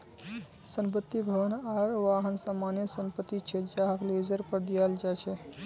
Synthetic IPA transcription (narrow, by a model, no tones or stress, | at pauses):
səmpət̪ːibʱəʋənaɾʋaːɦənsamaːnjesəmpət̪ːit͡ʃʰed͡ʒaɦəklezəɾpəɾd̪ijald͡ʒat͡ʃʰe